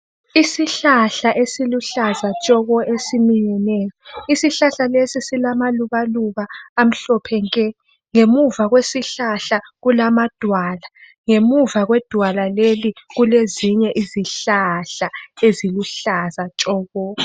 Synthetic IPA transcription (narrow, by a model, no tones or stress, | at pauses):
isiɬaɬaʔesiluɬazat͡ʃʼɔɣɔʔesimiɲɛnɛjɔisiɬaɬalesisilamaluβaluβaːm̩ɬɔpʰɛŋkʼɛ | ŋemuvaɣwesiɬaɬaɣulamad̥ʱwala | ŋemuvaɣwɛd̥ʱwalaleliɣuleziɲɛʔiziɬaɬaeziluɬazat͡ʃʼɔːɣɔ